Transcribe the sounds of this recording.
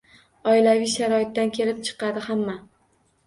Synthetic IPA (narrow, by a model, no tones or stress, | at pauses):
ɒɪlavɪjʃaɾɒɪt̪ːankʲʰe̞lɪp̚t͡ʃʰɨ̥qɑd̪ɪhamːa